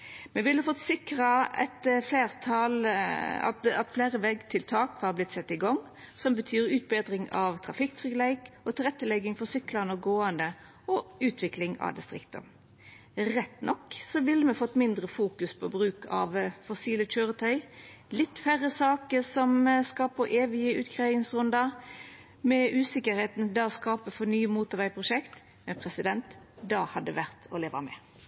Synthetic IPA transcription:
mɛʋɪlːəfɔt̪sɪkɾɑɛ̰t̪fleːʁt̪ʰɑlɑ̰ɑt̪fleːɾəʋɛɡːt̪ʰɪlt̪ʰɑːkʋɑɾblɪt̪sɛt̪ːɪɡɔŋ | sɔmbət̪ʰyːɾʉːt̪̚beːd̪ɾɪŋɑʋt̪ʰɾɑfɪkt̪ʰʁʏklɛɪkɔt̪ʰɪlʁɛt̪ːəlɛɡɪŋfɔsʏklɑnəɡoːɑnd̪ə | ɔʉːt̪ʋɪklɪŋɑ̰d̪ɪst̪ɾɪ̰kt̪ə̰m | ɾɛt̪ːnʔɔkːsɔʋɪlːəmɛfɔt̪ːmɪnd̪ʁəfuːkʉspʰoːbʁʉːkʰɑ̰ʋfɔsiːləc͡çøːʁət̪ʰœʏlɪt̪ːfæʁəsɑːkəsɔmskɑːpəɾʔeːʋɪəʉ̰ːt̪kʰʁɑɪnsʁʉnd̪ɑ | mɛʔʉːsɪkəɾheːt̪n̩d̪ɑɔskɑːpəfɔnyːəmuːt̪əɾʋæɪpʰʁʊʃɛkt̪ | mɛnpʰʁɛsɪd̪ɛnt̪ | d̪ɑːhɑd̪ːəʋæʁt̪ʰɔ̰leːʋɑmɛ̰ː

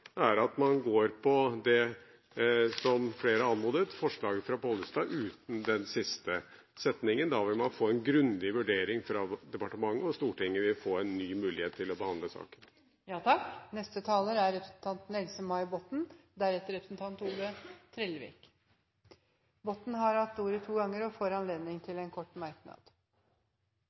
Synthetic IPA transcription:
æɾɑt̪mɑnɡoːɾpʰɔd̪ɛ | sɔmfleːɾəɑnmuːd̪ət̪fɔʂɭɑːɡəfɾɑpʰɔːləst̪ɑːʔʉːt̪n̩d̪ɛnsɪst̪ə | sɛt̪nɪŋənd̪ɑʋɪlmɑnfoːɛnɡɾʉnd̪ɪʋʉɖeːɾɪŋfɾɑd̪ɛpɑʈəmɑŋːəɔst̪uːʈɪŋːəʋɪlfoːɛnːyːmʉːlɪheːt̪ʰːɪlɔbəhɑnd̪ləsɑ̰ːkən | jɑːt̪ʰɑknɛst̪ət̪ʰɑːləɾæɾɾɛpɾəsn̩t̪ʰɑnt̪n̩ɛlsəmɑɪbɔt̪n̩d̪æɾɛt̪ːəɾɛpɾəsnt̪ʰɑnt̪uːlət̪ʰɾɛlʋɪ̰k | bɔt̪ːn̩ɦɑɾhɑt̪ːuːɾət̪ʰuːɡɑŋːəɾɔfoːɾɑnleːd̪nɪŋt̪ʰɪlɛnkʰɔʈːmɑɾknɑ̰d̪̥

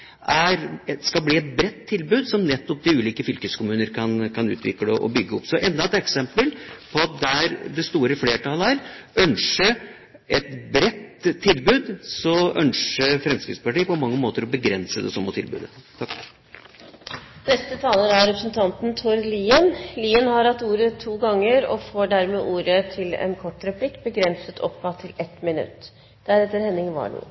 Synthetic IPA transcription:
ʔæɾskɑlbliːɛt̪̚bɾɛt̪ʰːɪlbʉːd̪sɔmnɛt̪ːɔp̚d̪ɪʉːliːkəfʏlkəskʊmʉːnəɾkʰɑnkʰɑnʉ̰ːt̪ʰʋɪ̰kːəd̪ɛʔɔ̰bʏɡːəɔpːsɔʔɛnd̪ɑɛt̪ɛksɛmpəlpʰɔɑt̪̚d̪ɛæɾd̪ɛst̪uːɾəfleːʈɑləæɾœnʂə | ʔɛt̪bɾɛt̪ʰːɪlbʉːd̪sɔœnʂəfɾɛmskɾɪp̪spɑʈiːəpɔmɑŋːəmoːt̪əɾɔbəɡɾɛnsəd̪ɛ̰sɔmːɔt̪ʰɪ̰lbʉ̰ːd̪ət̪ʰɑ | nɛst̪ət̪ʰɑːləɾɑɾɛpɾəsnt̪ʰɑnt̪nt̪ʰɔɾliːənliːənhɑɾhɑt̪ːuːɾət̪ʰuːɡɑŋːəɾɔ̰foːɖæɾmeːʔuːɾət̪ʰɪlɛ̰nkʰɔʈːɾɛpʰlɪkːbəɡɾɛnsət̪ʰɔ̰pːɑt̪ʰɪlɛt̪mɪnʉ̰t̪ː | d̪̥æɾɛt̪ːəɾhɛnːɪŋʋɑ̰ːɳṵː

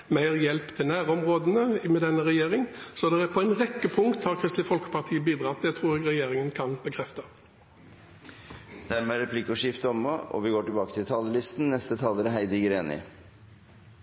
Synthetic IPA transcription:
mæɪʁjɛlpt̪ʰɪlnæːɾɔmʁoːd̪ənəmɛd̪ɛnːəɾɛjeːɾɪŋsɔd̪ɛʁæpʰɔæɪnʁɛkːəpʰʊŋkt̪hɑɾkʰɾɪst̪lɪfɔlkə̥pɑʁt̪ʰiːəbiːd̪ɾɑt̪ʰːɪlæɪt̪ʰʁuːʁɛjeːɾɪŋənkʰɑnb̥əkʰɾɛft̪ɑ | d̪̥æɾmɛæɾɛpʰlikːɔʂɪft̪əɔmɔɔ̰ʋɪɡoːʈɪlbɑːkə̥t̪ʰɪlt̪ʰɑːləlɪst̪n̩nɛst̪ət̪ʰɑːləɾɦæɪd̪əɡəɾeːnɪ̰

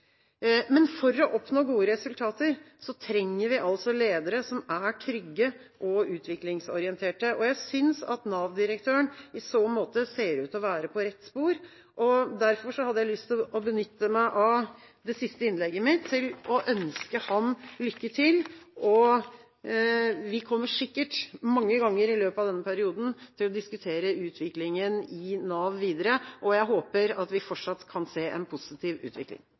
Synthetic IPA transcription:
mɛnfɔɾːɔʔɔpnoːɡuːəɾɛsʉlt̪ʰɑːt̪əɾ | sɔt̪ʰɾɛŋːəɾʋɪʔɑlsɔleːd̪əɾəsɔmæʈʰɾʏɡːə | ʔɔʉːt̪ʰʋɪklɪŋsɔ̰ɾɪənt̪ʰeːʈəʔɔjæɪsʏnsɑ̰t̪nɑːʋd̪ɪɾəkt̪ʰøːəɳɪsoːmoːt̪əseːɾʉːt̪ɔʋæːɾəpʰɔɾɛt̪ːspuːɾ | ʔɔd̪æɾfɔʂɔhɑd̪ːəjæɪlʏst̪ʰʔɔbənʏt̪ːəmæɪʔɑʋ | d̪ɛsɪst̪əɪnlɛɡːəmɪt̪ʰːɪlɔʔœnskəhɑmlʏkːət̪ʰɪlʔɔ | ʋɪkʰɔmːəʂɪkːəʈmɑŋːəɡɑŋːəɾɪløːpɑʋd̪ɛnːəpʰæɾɪuːd̪n̩t̪ʰɪlɔd̪ɪskʉt̪ʰeːɾəʉːt̪ʰʋɪklɪŋənɪnɑːʋʋiːd̪əɾəʔɔjæɪɦoːpəɾɑt̪ʋɪfɔʈʂɑt̪ːkʰɑnseːʔɛ̰npʰʊsɪt̪ʰiːʋʉ̰ːt̪ʰʋɪ̰klɪ̰ŋ

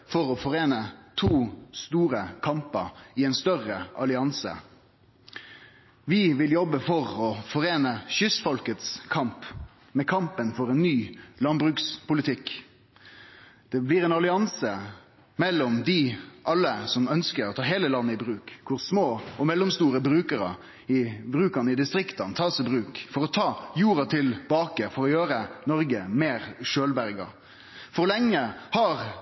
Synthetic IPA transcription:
fɔʁɔfɔʁeːnət̪ʰuːst̪uːɾəkʰɑmpəɾɪɛɪnst̪œʁəʔɑlɪɑnsə̰ | ʋɪʋɪljɔbːəfɔʁɔfɔʁeːnəɕʏsfɔlkət̪skʰɑmp | mɛkʰɑmpənfɔʁɛnːyːlɑnbʁʉkspʊlɪt̪ʰɪk | d̪̥ɛblɪʁɛːnɑlɪɑnsə | mɛlːɔmd̪ɪʔɑlːəsɔmœnskəɾɔt̪ʰɑːɦeːləlɑnːəɪbɾʉːkkʰːʊɾsmoːɔmɛlːɔmst̪uːɾəbɾʉːkəɾɑ̰ | ɪbɾʉːkɑnəɪd̪ɪst̪ɾɪkt̪ɑnt̪ʰɑːsɛɪbʁʉːkfɔɾɔt̪ʰɑːjuːɾɑt̪ʰɪlbɑːkəfɔɾɔjøːɾənɔɾɡəmeːɾʃøːlbæɾɡɑ̰ | fɔʁlɛŋːəhɑʁ

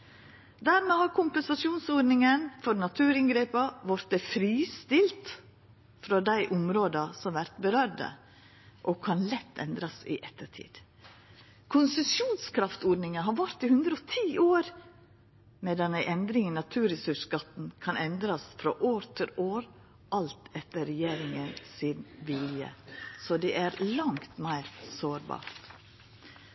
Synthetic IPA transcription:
d̪æɾmeːhɑɾkʰʊmpənsɑʃjuːnsoːɾnɪŋənfɔɾnɑt̪ʰʉːɾɪŋɡɾeːpɑʋɑɾt̪əfɾiːst̪ɪlt̪ | fɾɑd̪æɪʔʊmɾoːd̪ɑsɔmʋæɾt̪bəɾœɾdə̰ | ʔɔkʰɑnlɛt̪ʰːɛ̰nd̪ɾɑsɪ̰ʔɛt̪ːəʈʰḭːd̪̥ | kʰʊnsəsjuːnskʰɾɑft̪oːɾnɪŋənɦɑɾʋɑɾt̪ɪhʉnd̪ɾəɔt̪ʰiːʔoːɾ | mɛd̪ɛnæɪʔɛnd̪ɾɪŋənɑt̪ʰʉːɾɛsʉʂɡɑt̪n̩kʰɑnʔɛnd̪ɾɑsfɾɑʔoːɾt̪ʰɪloːɾ | ʔɑlt̪ɛt̪ːəɾɛjeːɾɪŋənsɪnʋɪljə̰sɔd̪ɛʔæɾlɑŋt̪mæɪɾsoːɾbɑ̰ːɾt̪

